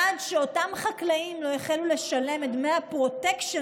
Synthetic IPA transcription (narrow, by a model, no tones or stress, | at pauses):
adʃeotamχaklaimlo̞jeχelule̞ʃale̞metmeapʁo̞tektʃe